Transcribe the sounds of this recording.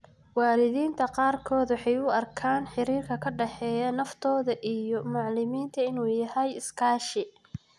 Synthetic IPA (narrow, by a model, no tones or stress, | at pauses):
wɑːlɪðiːnt̪ʰɐqɑːrkʰɔːd̪wɑħɑjʊɐrkʰaːnħɪɾiːrkʰɐkʰɐɖɐħɛːjɐnɐft̪ʰɔːðɐʔijɔmʊʕlɪmiːnt̪ʰɐɪnuːjɐhɛjɪskʰaːʃɪ